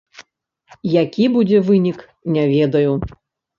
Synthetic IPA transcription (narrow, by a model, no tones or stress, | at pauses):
jakʲibud͡zʲɛvɨnʲik | nʲavʲɛd̪ɐju